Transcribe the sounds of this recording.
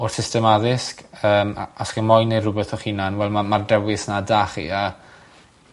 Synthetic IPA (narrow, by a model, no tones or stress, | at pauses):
ɔrsɪstɛmaðɪskəːma̰asχimɔjnerʊbɛθɔχinanwɛlˠmamardɛwɪsnadaːχḭa